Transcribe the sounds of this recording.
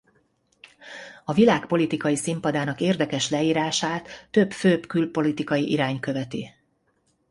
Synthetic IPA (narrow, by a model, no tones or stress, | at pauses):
ɒvilaːkpo̞lit̪ikɒjisimpɒd̪aːnɒkeːrd̪ɛkɛʃlɛiːɾaːʃaːt̪ːøbføːpkylpo̞lit̪ikɒjiʔiɾaːɲkø̞vɛt̪i